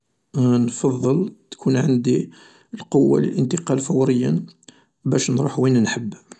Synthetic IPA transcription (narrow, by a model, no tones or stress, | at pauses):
nfɑðˤːəlt̪kʰunʕand̪i | əlqowːa̰lə̰lʔənt̪əqɑlfæwɾəjːə̰n | bæʃnɾuħwinænħəbː